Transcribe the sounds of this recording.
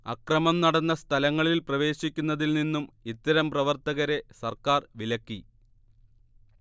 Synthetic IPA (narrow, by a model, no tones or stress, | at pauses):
ɐ̰krɐmɐmnɐɽɐnːɐst̪ʰɐlɐŋːɐɭilprɐʋe̞ːɕikʲːunːɐðilninːumit̪ːɐɾɐmprɐʋɐrt̪ɐɣɐɾe̞sɐrkaːrʋilɐkːi